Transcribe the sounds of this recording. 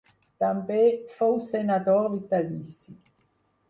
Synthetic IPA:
t̪ambefowsenad̪oɾvit̪alisi

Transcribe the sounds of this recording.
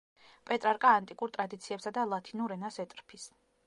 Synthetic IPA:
pʼɛt̪ʼɾaɾkʼaːnt̪ʼikʼuɾt̪ʼɾad̪it̪sʰiɛpsad̪alˠat̪ʰinuɾɛnasɛt̪ʼɾpʰis

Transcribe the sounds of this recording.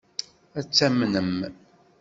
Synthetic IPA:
æt͡sːæmnəm

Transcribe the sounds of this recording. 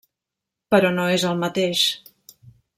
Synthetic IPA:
pəɾɔnoezəlˠmət̪eʃ

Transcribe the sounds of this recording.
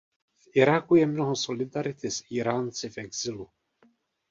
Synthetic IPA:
fʔɪɾakujɛmnoɦoso̞lɪd̪aɾɪt̪ɪsiɾaːnt͡sɪfɛɡz̥ɪlu

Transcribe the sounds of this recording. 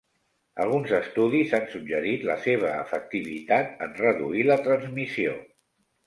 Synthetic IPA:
ə̰lˠɣ̞unzəst̪uðizansuɡʒəɾit̪ləseβ̞əːfək̚t̪iβ̞it̪at̪ənrəðṵilət̪ɾənzmisio̰

